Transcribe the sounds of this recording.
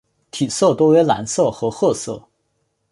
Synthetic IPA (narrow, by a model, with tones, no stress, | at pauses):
t̪ʰi˨˩sɤ˥˩t̪o˥ʊɥɛ˧˥la̰˧˥nsɤ˥˩xɤ˧˥xɤ˥˧sɤ˥˩